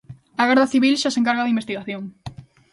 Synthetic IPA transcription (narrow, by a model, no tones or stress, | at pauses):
aɣɛɾðɐθiβilʃaseŋkaɾɣaðimbest̪iɣaθjoŋ